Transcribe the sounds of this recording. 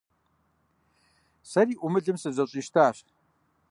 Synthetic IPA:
sɐɾiːʔumɨɮɨmsɨzɐɕʼiːʃtʰaːɕ

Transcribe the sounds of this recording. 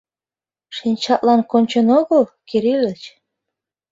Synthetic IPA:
ʃinʲt͡ɕɑt̪lɑnkonʲt͡ɕə̆noɣəlˠkiɾilʲət͡ɕ

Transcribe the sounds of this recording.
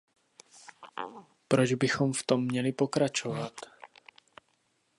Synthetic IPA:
pɾod͡ʒbɪxo̞mft̪o̞mːɲɛlɪpo̞kɾat͡ʃovat̪

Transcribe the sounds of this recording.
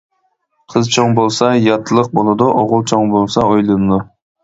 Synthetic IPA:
qʰəzt͡ʃʰoŋbolˠsɑjɑt̪ʰːɨlˠəq̚bolˠɨd̪uʔoʁʊlˠt͡ʃʰoŋbolˠsɑojlˠɨmd̪u

